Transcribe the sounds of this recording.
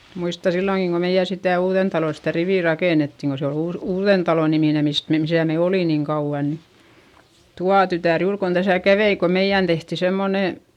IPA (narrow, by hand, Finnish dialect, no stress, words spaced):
muistɑ silːoŋki ko meij̆æ sitæˑ uːðentɑlo sitæ riʋiˑ rɑkeˑnetːiŋ ko se ol uːs uːðentɑlo nimine mist mem misæ me oli niŋ kɑuʋ̆ɑ ni tuɑ tytæˑr juːr kon d̥æsæˑ kæʋei ko meij̆æn tehti semːone